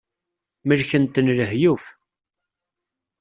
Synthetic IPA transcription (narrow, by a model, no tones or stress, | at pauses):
məɾçənt̪ːənləhjuf